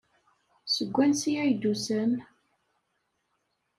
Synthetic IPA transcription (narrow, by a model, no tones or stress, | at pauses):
səɡʷːænsijæjd̪usən